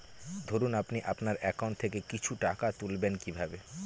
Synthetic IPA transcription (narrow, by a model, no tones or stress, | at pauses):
d̪ʱoɾunapniʔapnaɾɛkaʊɳʈt̪ʰekekit͡ɕʰuʈakat̪ulbenkibʱabe